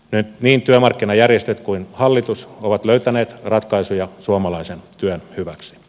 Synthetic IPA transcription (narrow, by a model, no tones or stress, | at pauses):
nyniːnt̪yømɑrkːinɑjærjest̪et̪kuinhɑlːit̪usoʋɑt̪løyt̪æneːt̪rɑt̪kɑisujɑsuomɑlɑisent̪yønhyʋæksi̥